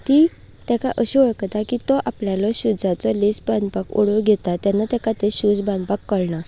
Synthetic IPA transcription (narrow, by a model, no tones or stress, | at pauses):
t̪i | t̪akaʔəɕiəɭkət̪akit̪ɔʔapljalɔɕud͡zat͡sɔlesband̪pako̰ɽoɡʱet̪at̪janːat̪jakat̪eɕud͡zband̪pakːəɭɳa